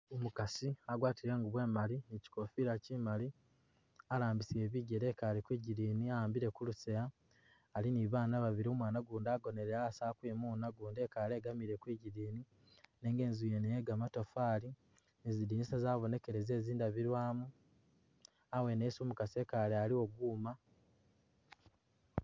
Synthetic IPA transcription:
omukasiaɡwaːtiɾe̞ːŋɡuβwe̞ːmalieci̥ko̞fiɾacimali | alaːmbisie̞ːβiːɟeɾeːkaːlikwiːɟiɾiːniaaːmbiɾe̞kuluseaː | liniβaːnaβaβiɾioːmwaːnaɡuːndaɡo̞ne̞ɾeasakwiːmuːnaɡuːnde̞ːkaːle̞ɡamiɾe̞kwiɟiɾiːni | neːŋɡe̞ːnzujenejeɡamatofaːli | nezidiːnisazaːβo̞ne̞ke̞ɾe̞ze̞ːziːndaβiɾwaːmu | awe̞nesumukase̞kalealiwo̞ɡuːma

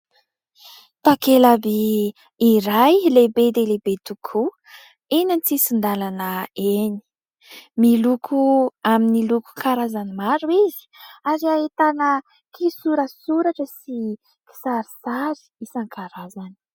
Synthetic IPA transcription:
t̪akelabiː | ɾajlebed̪elebet̪ukʰu | enanit͡sisind̪alanəeni̥ | milukʰuaminiluku̥kʰaɾazanimaɾuizi̥aɾiaet̪anə | kʰisuɾəsuɾaʈ͡ʂəsi | ki̥saɾisaɾi̥isaŋkʰaɾazani̥

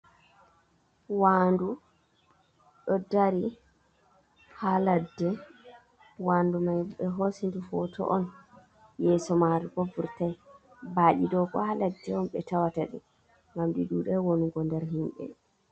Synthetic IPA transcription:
waːndu | ɗɔdaɾi | haladːɛ | wandumajɓɛɦosindufɔtɔ̰ʔɔn | jɛsɔmaɾiɡovuɾtaj | baːɗidɔkɔ̰haladːɛɔmɓɛtawataɗḭ | ɡamɗiɗuɗɛwonuɡɔndɛɾɦimɓɛ̰

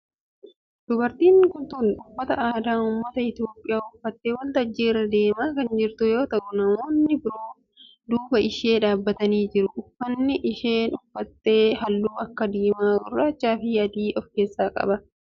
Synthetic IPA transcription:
d̪̥ʊbɐɾt̪iːŋkʊnt̪ʊnʊmːɐt̪ɐʔaːd̪aːʊmːɐt̪ɐɪt̪jo̞ːpʼːɪjaːʊfːɐt̪ːeːwɐlt̪ɐd͡ʒːiːɾɐd̪e̞ːmaːkɐnd͡ʒɪɾt̪ʊjo̞ːt̪ɐʔʊnɐmoːnːɪbɪɾoː | d̪uːbɐʔɪʃe̞ːᶑaːbːɐt̪ɐniːd͡ʒɪɾʊʔʊfːɐnːɪʔɪʃeːnʊfːɐt̪ːe̞ːhɐlːuːɐkːɐd̪iːmaːɡʊrːaːt͡ʃːaːfɪjɐd̪iːʔɔfkeːsːaːkʼɐ̰bɐ

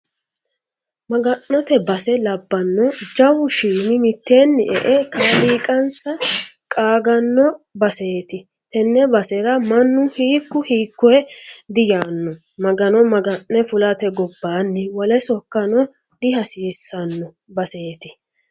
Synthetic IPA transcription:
mɐɡɐnːɔt̪ɛbɐsɛlɐbːɐnːɔd͡ʒɐwʊʃiːmɪmɪt̪ːeːnːɪʔɛʔɛkɐliːkʼɐnsɐkʼaːɡɐnːɔbɐse̞ːt̪ɪ | t̪ɛnːɛbɐsɛɾɐmɐnːʊhiːkːʊhiːkːɔɛd̪ɪjaːnːɔ | mɐɡɐnɔmɐɡɐnːɛfʊlɐt̪ɛɡɔbːaːnːɪwɔlɛsɔkːɐnɔ | d̪̥ɪhɐsiːsːɐnːɔ | bɐse̞ːt̪ɪ

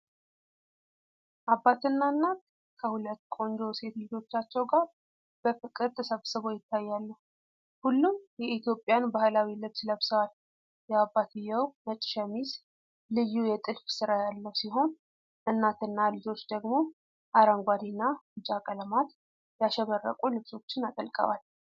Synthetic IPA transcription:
ʔabːat̪ɨnːaɨnːat̪ | kʰəhulət̪ːkʼo̞nd͡ʒo̞se̞t̪lɨd͡ʒo̞t͡ʃːat͡ʃːɛwɡaɾ | b̥əfɨkʼɨɾt̪ʼʰɨsəβsɨβo̞jɪt̪ʰːajːalːəhu | hulːumjɛit̪jo̞pʼːjanbahlawilɨbsɨləβsəat̪ | jɛabːat̪ʰɨjːəwmət͡ʃʼʃɛmis | lɨjːujɛt̪ʼɨlfsɨɾajalːəwsiɦo̞n | ʔɨnːat̪ɨnːalɨd͡ʒo̞t͡ʃːd̪əɡmo̞ | ʔaɾaŋɡʷad̪inːaɨt͡ʃʼakʼələmat̪ | jaʃɛβərːə̰kʼulɨβso̞t͡ʃːɪnat̪ʼəlkʼə̰wa̰l

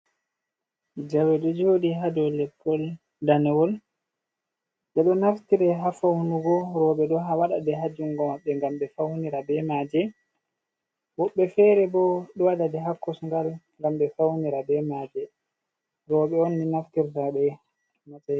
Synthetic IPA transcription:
d͡ʒawɛɗɔd͡ʒoːɗiɦadɔlɛpʰːɔl | danɛwɔl | ɗɛɗɔnaftiɾɛɦafawnuɡɔɾɔːɓɛɗɔɦawaɗa̰dɛɦad͡ʒuŋɡɔmaɓːɛŋɡamɓɛfawniɾabɛmaːd͡ʒɛ | wɔɓːɛfɛɾɛbɔɗɔwadadɛɦakːɔsŋɡalŋɡamɓɛfawniɾabɛmaːd͡ʒɛ | ɾɔɓɛonːinaftiɾtaɓɛ | mata

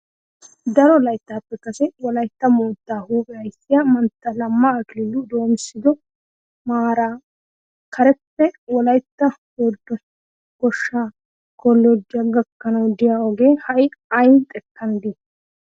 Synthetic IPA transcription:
d̪ɐɾɔlɐjt̪ːaːpːɛkɐsɛwɔlɐjt̪ːɐmoːt̪ːaːhuːpʼɛɐjsːɪjɐmɐnt̪ːɐlɐmːaːkɪlɪlːʊd̪o̞ːmɪsːɪd̪ɔ | maːɾaː | kʰɐɾɛpːɛwɔlɐjt̪ːɐhɔd̪ɔ | ɡɔʃːaː | kɔlːɔd̪ɪɐɡɐkːɐnɐwd̪ɪjaɔɡe̞ːhɐʔɪɐjnt̪ʼɛkːɐnd̪ɪ

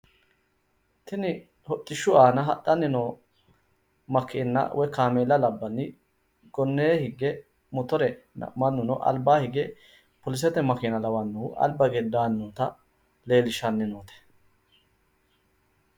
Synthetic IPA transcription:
t̪ɪnɪ | hɔt̪ʼːɪʃʊaːnɐɦɐ̰t̪ʼːɐnːɪnɔ | mɐkʰenːɐ̰wʔɔjkaːmeːlɐlɐbːɐnːɪ | ɡ̥ɔnːeːhɪɡːɛ | mɔt̪ɔɾɛnɐ̰mɐnːʊnɔʔɐ̰lbaːhɪɡɛ | pɔlɪs̬ɛt̪ɛmɐkɪnɐlɐwɐnːʊɐ̰lbɐɡɛd̪aːnːot̪ɐ | leːlɪʃɐnːɪnoːt̪ɛ̥

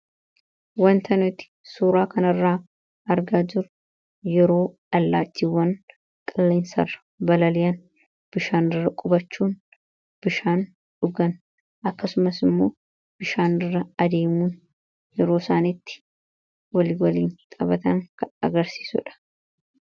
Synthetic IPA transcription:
wɐnt̪ʰɐnʊt̪ɪ̥suːɾaːkɐnɐrːaː | ʔɐɾɡaːd͡ʒɪɾʊ | jɛɾo̞ːᶑɐlːaːt͡ʃːiwɐn | kʼɐlːɛːnsɐ̰rɐ | bɐlɐlɪjɐn | b̥ɪʃaːnɪrːɐkʼʊbɐt͡ʃːuːn | b̥ɪʃaːn | ᶑʊɡɐn | ʔɐkːɐsʊmɐsɪmːo̞ː | b̥ɪʃaːnɪrːɐɐd̪e̞ːmuːn | jɛɾo̞ːsaːnɪt̪ːɪ̥ | wɐlɪwɐliːnt̪ʼɐbɐt̪ɐŋkɐɐ̰ɡɐɾsi̥ːsʊ̰ᶑɐ̥

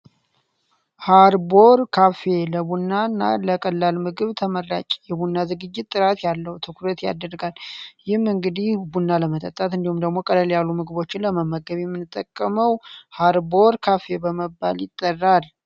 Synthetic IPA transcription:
haɾbo̞ɾkʰafe̞ləbunːanːa̰ləkʼəlːalmɨɡɨβt̪ʰəmərːa̰t͡ʃʼjɛbunːazɨɡɨd͡ʒːɪt̪ʼːɨɾat̪jalːəwt̪ʰɨkʰuɾət̪ja̰d̪ərɡaljɪhmɨŋɡɨd̪ihbunːaləmət̪ʼə̰t̪ʼːat̪ɨnd̪ihumd̪əɡmo̞kʼələljalːumɨɡɨβo̞t͡ʃːɪnləməməɡəβjɛmːɨnɨt̪ʼːəkʼːəməwhaɾbo̞ɾkʰafe̞bəməbːa̰ljɪt̪ʼːərːal

